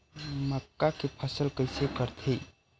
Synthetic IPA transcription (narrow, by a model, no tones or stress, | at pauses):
məkːakepʰəsəlkəjsekəɾt̪ʰe